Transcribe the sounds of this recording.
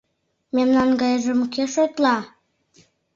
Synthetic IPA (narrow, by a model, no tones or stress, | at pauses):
mʲemnɑnɡɑjʒə̆mkeʃojt̪lɑ